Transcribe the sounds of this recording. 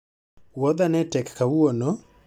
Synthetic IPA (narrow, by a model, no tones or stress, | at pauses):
wɔd̪anɛtɛkkawuonɔ